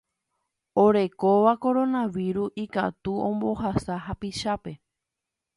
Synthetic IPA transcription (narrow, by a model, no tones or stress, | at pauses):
oɾe̞koʋako̞ɾo̞nãʋiɾuika̰t̪uõ̞mbo̞hasaɦapiʃape̞